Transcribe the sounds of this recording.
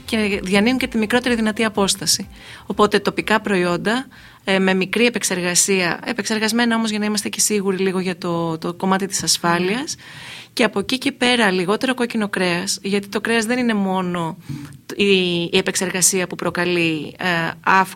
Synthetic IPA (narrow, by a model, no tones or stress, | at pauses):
ce̞ðʝɐniuɲce̞t̪imikɾo̞t̪e̞ɾiðinɐt̪iɐpo̞st̪ɐsi | o̞po̞t̪e̞t̪o̞pikɐpɾo̞io̞nd̪ɐ | me̞mikɾie̞pekse̞ɾɣɐsiɐe̞pe̞kse̞ɾɣɐzme̞nɐo̞mo̞zʝɐnɐimɐst̪e̞ce̞siɣuɾiliɣo̞ʝɐt̪o̞t̪ko̞mɐt̪it̪i̥sɐsfɐliɐs | ce̞ɐpo̞cice̞pe̞ɾɐliɣo̞t̪e̞ɾo̞ko̞cino̞kɾe̞ɐsʝɐt̪it̪okɾe̞ɐzðe̞nine̞mo̞no̞ | iːepekse̞ɾɣɐsiɐpupɾo̞kɐli | ɐf